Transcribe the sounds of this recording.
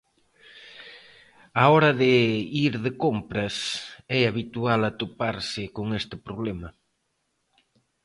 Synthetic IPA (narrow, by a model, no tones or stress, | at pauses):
aɔɾɐðɪiɾðɪkompɾɐsɛaβit̪ualat̪opaɾsɪkoŋest̪ɪpɾoβlɛmɐ